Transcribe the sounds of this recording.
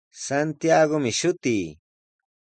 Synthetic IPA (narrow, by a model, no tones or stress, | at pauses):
sant̪jaɡomɪʃʊt̪iː